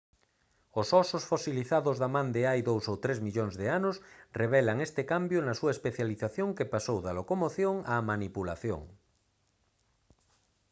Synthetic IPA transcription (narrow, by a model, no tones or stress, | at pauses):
osɔsosfosiliθaðozðamãnd̪eajðowsowt̪ɾezmiʎoŋzðeanosreβ̞ɛlaŋest̪ekambjonasuaespeθjaliθaθjoŋkepasowðalokomoθjoŋamanipula̰θjo̰ŋ